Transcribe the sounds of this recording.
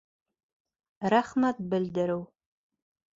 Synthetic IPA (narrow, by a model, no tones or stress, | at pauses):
raχmat̚bɨldɨɾɨw